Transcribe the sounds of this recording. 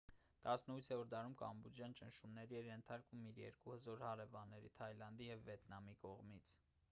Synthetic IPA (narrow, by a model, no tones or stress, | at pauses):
t̪ɑsnəut͡sʰɛuɾd̪ɑɾumkɑ̰mbud͡ʒjɑnt͡ʃənʃumnɛɾiɛɾjɛnt̪ʰɑɾkumiɾjɛ̰ɾkuhəzɔɾhɑɾɛvɑnːɛɾḭt̪ʰɑjlɑnd̪ijɛvːɛt̪nɑmikɔʁmit͡sʰ